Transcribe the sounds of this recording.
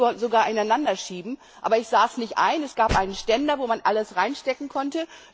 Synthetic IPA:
ɔzoɡaːɐʔɪnaɪnandɐʃiːbm̩ | ʔaːbɐɪçz̥aːsnɪçtʔa̰ɪnɛsɡ̥aːpʔaɪnənʃtɛndɐvoːmanʔaləsʁaɪnʃtɛkŋ̩kʰɔntə

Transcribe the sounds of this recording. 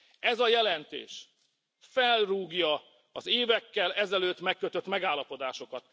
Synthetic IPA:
ɛzɒjɛlɛnt̪ḛːʃ | fɛlruːɡjɒ | ɒzeːvɛkːɛlɛzɛløːt̪mɛkːøt̪øt̪mɛɡaːlːɒpo̞d̪aːʃo̞kɒt̪

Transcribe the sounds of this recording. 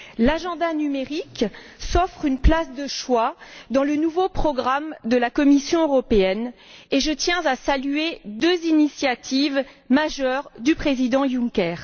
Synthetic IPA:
laʒɑ̃d̪anymeʁik | sɔfχynplasd̪əʃwad̪ɑ̃lənuvopχɔɡʁamd̪əlakɔmisjɔ̃øʁɔpeɛneʒət̪jɛ̃zasalyed̪øzinisjat̪ʰivmaʒœʁd̪ypχezid̪ɑ̃jũŋkʲɛːʁ

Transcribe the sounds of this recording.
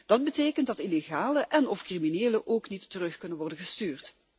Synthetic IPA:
d̥ɑd̚bəteːkəntdɑtileɣaːləʔɛnɔfkrimineːləʔoːknitːərɵχkɵnənʋɔrdənɣəstyːrt

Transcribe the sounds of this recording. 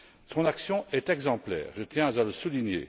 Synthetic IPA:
sɔ̃naksjɔ̃ɛt̪ɛɡzɑ̃plɛ̰ːʁʒət̪jɛ̃zaləsuliɲjḛ

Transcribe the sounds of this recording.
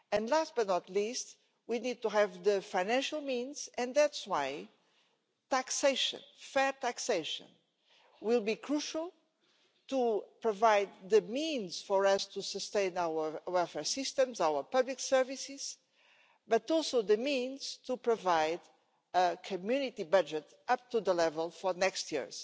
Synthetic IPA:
ɨ̃nlastb̥ʌt̪̚ⁿnɔt̪list̪ | winid̪̚tuɦævðɨfaɪ̃næ̃nʃalˠmĩnz̥ɨ̃nðætswaɪ | tækseʃɨ̰̃nfɛɹtækseɪʃə̰̃n | wilˠbikʰɹuʃəlˠ | t̪upɹovaɪd̪̚ðɨmĩnz̥fɔɹʌst̪ʰusəst̪ẽɪ̃nawəwɛlˠfɛɹsɪst̪ə̃mzawə˞pʌbliksɛɹvisɪz̥ | bʌt̪ɔlˠsoðɨmĩnz̥tupɹovaɪd | əkʰɨmjunit̪ibʌd͡ʒɨt | ʌp̚t̪uðəlɛvəlˠfɔ˞nɛkst̪jḭɹz

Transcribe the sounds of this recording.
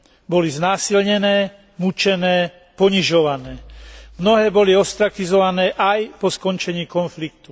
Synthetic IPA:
bɔliznaːsilɲɛnɛː | mut͡ʃɛnɛː | pɔɲiʒɔʋanɛːmnɔɦɛːbɔliɔst̪ɾakizɔʋanɛːʔajpɔskɔnt͡ʃɛɲiːkɔnflik̚t̪u

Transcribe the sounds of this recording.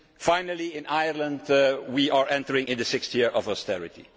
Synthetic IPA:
fãɪ̃nəlˠiɪ̃najəɹlə̃ndwiʔaɹɛ̃ntəɹɪ̃ŋɪ̃nðəsɪkstjɪɹʔɔvɔstɛɹɪtḭ

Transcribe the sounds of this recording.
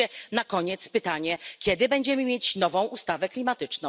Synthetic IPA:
ɛnakɔɲɛt̪spɘt̪aɲɛkʲɛd̪ɘbɛɲd͡ʑɛmɘmʲjet͡ɕnɔvɔ̃w̃ʔust̪avɛklʲimat̪ɘt͡ʂnɔ̃w̃

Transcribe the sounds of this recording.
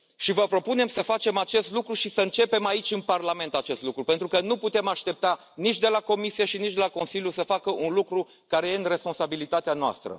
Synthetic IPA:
ʃivəpɾo̞pune̞msəfat͡ʃe̞mat͡ʃe̞st̪lukɾuʃisəɨnt͡ʃe̞pe̞mait͡ʃʲɨnparlame̞nt̪at͡ʃe̞st̪lukɾupe̞nt̪ɾukənuput̪e̞maʃt̪e̞p̚t̪a | nit͡ʃʲd̪e̞lako̞misijeʃinit͡ʃd̪elako̞nsiljusəfakəʔunlukɾu | kaɾe̞je̞ɨnre̞spo̞nsabilit̪at̪eanoa̰st̪ɾə̰

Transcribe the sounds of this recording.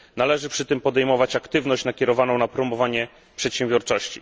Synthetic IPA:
nalɛʐɘpʂɘt̪ɘmpɔd̪ɛjmɔvat͡ɕakt̪ɘvn̪ɔɕt͡ɕnakʲɛɾɔvanɔ̃w̃napɾɔmɔvaɲɛ | pʂɛt̪ɕɛ̃mbʲjɔɾt͡ʂɔɕt͡ɕḭ

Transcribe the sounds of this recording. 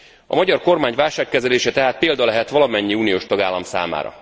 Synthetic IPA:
ɒ̰mɒɟɒrko̞rmaːɲʋaːlʃaːkːɛzɛleːʃɛt̪ɛɦaːt̪̚peːld̪ɒlɛɦɛt̪ʋɒlɒmɛɲːiuːnijoːʃt̪ɒɡaːlːɒmsa̰ːma̰ːɾɒ̰

